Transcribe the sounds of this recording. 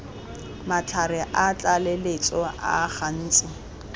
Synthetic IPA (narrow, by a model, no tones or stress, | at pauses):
mat͡ɬʰaɾɪʔat͡ɬʼalɪlet͡sʼɔʔa̰χan̩ːt͡sʼɪ